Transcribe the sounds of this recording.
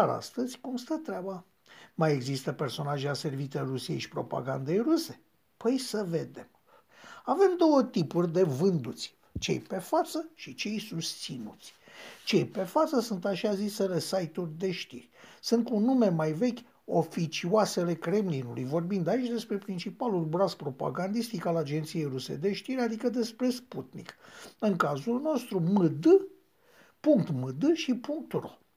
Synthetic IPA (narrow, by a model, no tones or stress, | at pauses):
aɾa̰st̪əzʲkumst̪ət̪ɾʲaba | maje̞ɡzist̪əpe̞rso̞naʒease̞rvit͡ʃ̪ejrusiejʃi̥pɾo̞̰pa̰ɡand̪e̞jruse̞ | pəjsəve̞d̪e̞̰m | ave̞md̪o̞wət̪ipurʲd̪e̞vɨnd̪ut̪sʲ | t͡ʃe̞̰jpe̞fat̪səʃit͡ʃe̞jsust̪sinut̪sʲt͡ʃe̞jpe̞fat̪səsunt̪aʃiazisele̞sajt̪urʲd̪e̞ʃt̪ḭrʲsunt̪kunːume̞majve̞kʲ | o̞fit͡ʃiwase̞le̞kɾe̞mlinulujvo̞rbind̪ait͡ʃʲd̪e̞spɾe̞pɾint͡ʃipalulbɾaspɾo̞pa̰ɡand̪ist̪ikalad͡ʒe̞nt̪sije̞jɾusḛd̪e̞ʃt̪iɾʲad̪ikəd̪e̞spɾe̞sput̪nḭkɨŋkazulno̞st̪ɾumɨd̪ɨ | puŋkt̪mɨd̪ɨʃipuŋk̚t̪ro̞̰